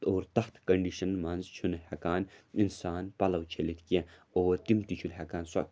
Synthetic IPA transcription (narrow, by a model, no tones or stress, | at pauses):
oːɾt̪ɐxt̪ʰkɐɳɖiʃɐnmɐnzt͡ʃʰunhɐkaːninsaːnpɐlɐwt͡ʃʰelit̪ʰkiẽoːɾt̪imt̪it͡ʃʰunɦɐkaːnsɐ̰